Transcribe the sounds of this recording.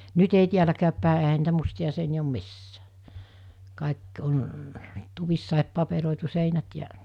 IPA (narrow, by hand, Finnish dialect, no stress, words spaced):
nyt ei tiælækæːpːæˑe ehæ niːtæ mustiɑ seiniæ om misːæː kɑˑek on tuʋisːɑˑep pɑperoˑitu seinæt jæ